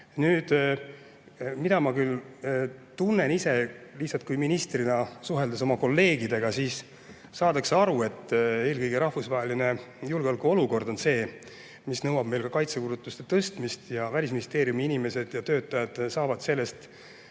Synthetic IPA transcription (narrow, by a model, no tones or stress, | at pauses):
nyːd̪̥ | mid̪̥ɑmɑkyl | t̪unːenise̞lih̪sɑlt̪̚kujminist̪rinɑsuɦe̞ld̪eso̞mɑko̞lːe̞ːɡid̪e̞ɡ̥ɑsiːs | sɑːd̪ɑkseɑɾue̞t̪ːe̞ːlkɤjɡ̥eɾɑhfusvɑɦeline̞julɡeolkːuo̞luko̞rd̪o̞nse̞ː | misnɤwɑb̥̚me̞jlkɑkɑjt̪sekuɾut̪ːˑust̪e̞t̪ɤst̪mist̪jɑvælʲisminʲist̪e̞ːɾijumiinime̞se̞d̪̥jɑt̪øːt̪ˑːɑjɑd̪̥sɑːvɑd̪̥se̞lːe̞st̪